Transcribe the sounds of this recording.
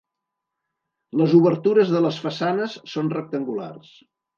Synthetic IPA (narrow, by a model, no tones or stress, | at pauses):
ləzuβəɾt̪uɾəzðələsfəsanəsːonrək̚t̪əŋɡula̰rs